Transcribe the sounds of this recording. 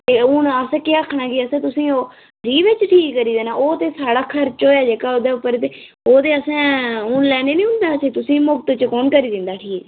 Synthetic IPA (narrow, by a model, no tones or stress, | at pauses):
t̪eːʊnəsɛ̃ːkeəkʰːɳaːɡiːəsɛ̃ːt̪̬ʊsĩːoː | d͡ʒiːʋɪt͡ʃʈʰiːkːəɾiːd̪eːnaːʔoːt̪eːsaːɽaːkʰəɾt͡ʃoːaːd͡ʒeːkaːoːd̪eːʊpːəɾt̪eː | oːt̪eːəsɛ̃ːʊɳlɛːneːnĩːɦʊ̃nd̪aːəsẽːt̪ʊsĩːmʊk̚t̪t͡ʃkɔːnkəɾiːd̪ɪnd̪aːʈʰiːk